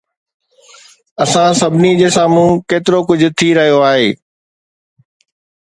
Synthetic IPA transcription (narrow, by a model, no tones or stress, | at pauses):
ɐsãsɐbʱɪnid͡ʑeːsãːmũːkeːt̪ɪɾokʊd͡ʑʱʊ̆t̪ʰiɾɐɦijoaːɦeː